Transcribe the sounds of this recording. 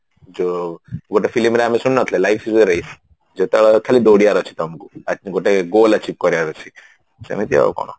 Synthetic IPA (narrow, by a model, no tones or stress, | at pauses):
d͡ʒoɡoʈ̬efilimɾeamisunnat̪ʰlelaifʰieɾəis | d͡ʒot̪aɭɔkʰalid̪oɽijaɾɔt͡ʃʰi̥t̪ɔmkuaɡoʈeɡolat͡ʃʰip̚kɔɾjaɾɔt͡ʃʰi | sḛmit̪ia̰o̰kɔ̰ɽ̃o̰